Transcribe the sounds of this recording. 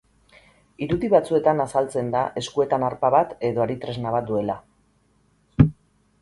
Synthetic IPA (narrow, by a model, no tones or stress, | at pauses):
iɾuðiβat͡sue̞t̪anasalt͡se̞nd̪aʔe̞skue̞t̪anaɾpaβat̪e̞ðo̞aɾit̪ɾe̞znaβat̪̚d̪ue̞la